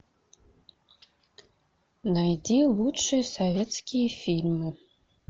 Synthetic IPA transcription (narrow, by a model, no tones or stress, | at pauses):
najdilut͡ʃʷʰɐsovʲet͡skʲʰifilʲmɨ